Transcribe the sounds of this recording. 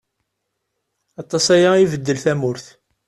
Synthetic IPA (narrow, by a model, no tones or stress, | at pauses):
ɑt̪ˤːɑsæjaivəd̪ːəlθæmʊɾθ